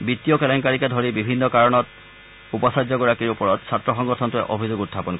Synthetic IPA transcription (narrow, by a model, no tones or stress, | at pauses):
bitiɔkɛlɔŋkaɹikɛdʱoɹibibʱinːɔkaɹɔnɔt | upɔsazɔɡɔɹakiɹupɔɹɔtsatɹɔxɔŋɡɔtʰɔntʊɛ̰ʔobʱizoɡutʰːapɔnkɔ